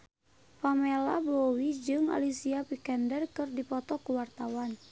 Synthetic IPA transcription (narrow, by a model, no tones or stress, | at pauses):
famelabowid͡ʒɨŋa̰lisiapikɛndɛrkɨrdipɔt̪ɔkuwart̪awan